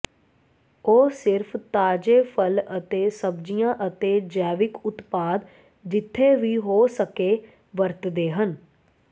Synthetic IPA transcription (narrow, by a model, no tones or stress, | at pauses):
oːsɪɾpʰt̪aːd͡ʒeːpʰələt̪eːsəbd͡ʒijãːʔət̪eːd͡ʒɛːʋɪkʊt̪paːd̪ | d͡ʒɪt̪ʰːeːʋiːɦoːsəkeː | ʋəɾt̪d̪eːɦən